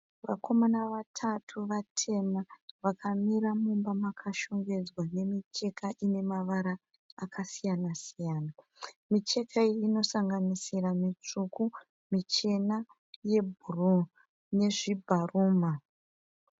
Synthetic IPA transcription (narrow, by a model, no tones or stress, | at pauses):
ʋa̰kʰo̞manaʋatʰatʰuʋatʰe̞maʋakʰamiɾamumbamakʰaʃo̞ŋɡe̞d͡zwane̞mit͡ʃe̞kʰaʔine̞maʋaɾaː | kʰasijanasijaːna | mit͡ʃe̞kʰaiino̞saŋɡanisiramit͡ʂuku | mit͡ʃe̞na | je̞b̚ʱuru | ne̞ʐibʱaruːma